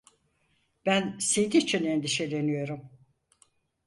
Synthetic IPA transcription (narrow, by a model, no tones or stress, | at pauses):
b̥ænsejd̪iːt͡ʃʰinend̪iʃe̞lʲe̞nijo̞ɾum